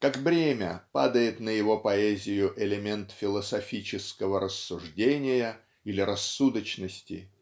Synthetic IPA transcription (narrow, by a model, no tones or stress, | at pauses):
kakbɾʲemʲə̰pa̰d̪əjɪt̪nəjɪvo̞pɐɛzʲɪjʊʔɪlʲɪmʲent̪fʲɪlˠəsɐfʲit͡ɕɪskəvəɾəsːʊʐdʲenʲɪjə | ilʲɪɾɐsːud̪ət͡ɕnəsʲtʲɪ̰